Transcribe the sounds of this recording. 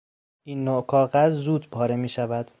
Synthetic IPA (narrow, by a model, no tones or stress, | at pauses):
ʔiːnːokʰɒːɣæzzuːd̪pʰɒːɾemiːʃævæd̪̥